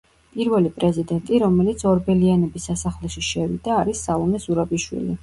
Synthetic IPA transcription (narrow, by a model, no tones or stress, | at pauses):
pʼiɾvɛlipʼɾɛzid̪ɛnt̪ʼiɾɔmɛlit̪sʰɔɾbɛlianɛbisːasaχlɛʃiʃɛvḭd̪aːɾisːalˠɔmɛzuɾabiʃwḭli